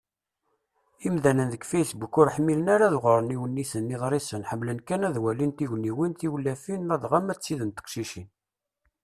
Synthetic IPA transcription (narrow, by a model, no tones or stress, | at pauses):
imðænənðəkfæjθbukːʊɾħmilənaɾaðʁəɾˤəniwənːisənːiðˤɾˤisənħəmːlənkænæðwælint̪iʝniwinθiwlːæfinæðʁamæt͡sːiðənt̪ə̥qʃiʃin